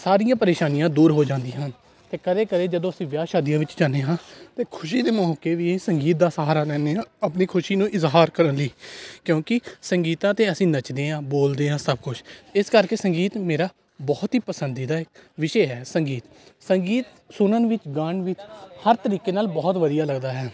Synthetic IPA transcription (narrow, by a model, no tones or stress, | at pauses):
saːɾɪjãːpəɾeːʃaːnijãːd̪uːɾɦoːd͡ʒãːnd̪iãɦən | t̪eːkəɾeːkəɾeːd͡ʒəd̪õːəsĩːʋjaːʃaːd̪ijãːʋɪt͡ʃd͡ʒaːneːɦãːt̪eːkʰʊʃiːd̪eːmɔːkeːʋiːsəŋɡiːt̪̚d̪aːsəɦaːɾaːlɛːneːãːapniːkʰʊʃiːnũːʔɪzɦaːɾkəɾənliːkjõːkɪsəŋɡiːt̪ãːt̪eːəsĩːnət͡ʃd̪eːãːboːld̪eːãːsəb̚kʊt͡ʃʰɪskəɾkeːsəŋɡiːt̪meːɾaː | bɔːt̪ɦiːpəsənd̪iːd̪aːɪkʋɪʃeːɦɛːsəŋɡiːt̪ | səŋɡiːt̪ | sʊnənʋɪt͡ʃɡəɳʋɪt͡ʃhəɾt̪əɾiːkeːnaːlbɔːt̪ʋəd̪ijaːləɡd̪aːɦɛː